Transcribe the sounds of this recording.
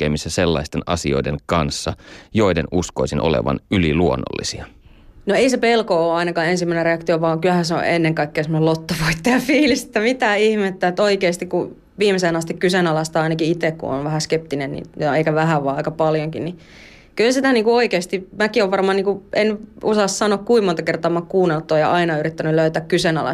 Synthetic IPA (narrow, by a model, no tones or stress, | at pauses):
kːḛːmisːæselːɑ̰ist̪enɑ̰sio̞̰ideŋkɑnsːɑjoidenuskoisinʔo̰lḛʋɑ̰nyliluonːo̰lːisiɑ | noeisepelkooːɑinɑkɑːensimːæˑinereɑkt̪ioʋɑːŋkylhæseo̰ʔenːeŋkɑikːeːsemonelot̪ːoʋoit̪ːejɑfiːliset̪ːæmit̪æːihmet̪ːæet̪ːoikeːst̪ikku | ʋiːmeseːnɑst̪ikkysenɑlɑst̪ɑɑinɑkiit̪ekkṵo̰nʋæhæskep̚t̪inennḭnoeikæʋæɦæʋʋɑːɑikɑpɑljoŋkinni | kylsit̪æniːŋkuoikeːst̪imækioʋʋɑrmɑːniːŋkuʔenusɑssɑnoːkkuimont̪ɑkert̪ɑːmɑkkuːnːelt̪ːˑoːjɑ̰ʔɑinɑyɾit̪ːænyløyt̪æːkkysenɑ̰lɑ̰